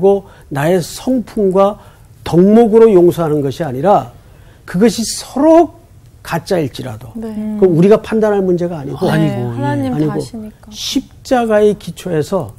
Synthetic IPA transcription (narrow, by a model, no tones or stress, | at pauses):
ɡo | nae̞sʰʌŋpʰumɡwa | tʌŋmoɡɯɾojoŋsʰoɦanɯnɡʌɕʰiaɲiɾa | kɯɡʌɕʰisʰʌɾok̚ | k͈at͡ɕ͈aiɭt͡ɕ͈iɾa̰dokɯuɾiɡapʰandanɦaɭmund͡ʑe̞ɡaːɲiɡoneaɲiɡoɕʰip̚t͡ɕ͈aɡae̞kit͡ɕʰoe̞sʰʌ